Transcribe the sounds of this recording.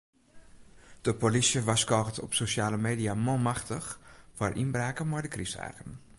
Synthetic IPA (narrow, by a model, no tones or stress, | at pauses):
d̥əpolisjəʋaskɔɣətɔ̰psoʃaːləmeːdiamɔmaxtəxfɔrʔinbraːkəmɔjdəkrisa̰ːɣən